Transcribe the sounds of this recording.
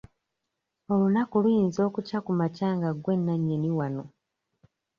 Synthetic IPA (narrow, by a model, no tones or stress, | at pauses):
o̞lunakulwiːnzo̞ːkucakumacaːŋɡaɡwe̞nːaɲːeniwano̞